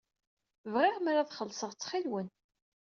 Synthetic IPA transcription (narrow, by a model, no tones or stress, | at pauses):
vʁɪʁmaɾaðχəlsəʁt͡sːχilwən